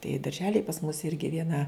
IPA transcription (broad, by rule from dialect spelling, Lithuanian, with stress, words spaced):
tɐɪ dɐrʲˈʒʲæːlʲɪj pɐs mʊs ˈɪrʲɡʲɪ ʋʲiɛˈnɐ